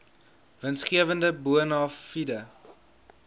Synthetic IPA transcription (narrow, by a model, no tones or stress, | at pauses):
vənsχiəvəndəbuənɑːfidə